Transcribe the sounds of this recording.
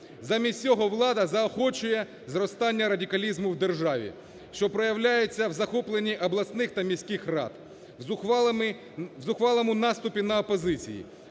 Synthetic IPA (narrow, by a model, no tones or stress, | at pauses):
zɑmʲisʲt͡sʲɔɦɔʋlˠɑd̪ɐzɐɔxɔt͡ʃʊjɛ | zrɔst̪ɑnʲːɐɾɐdʲikɐlʲizmʊwd̪erʒɑʋʲḭ | ʃt͡ʃɔpɾɔjɐwlʲajet͡sʲːɐwzɐxɔplˠenʲːiʔɐblˠɐsnɪxt̪ɐmʲisʲkʲɪxrɑ̰t̪ | zʊxʋɑlˠɔmʊnɑst̪ʊpʲinɐɔpɔzɪt͡sʲḭjḭ